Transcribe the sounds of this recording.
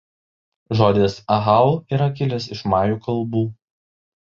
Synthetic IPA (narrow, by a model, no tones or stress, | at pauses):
ʒoːd̪ʲesɐɦɑˑʊiɾɐkʲɪlʲɛsɪʃmɑːjuːkɐlˠˑbuː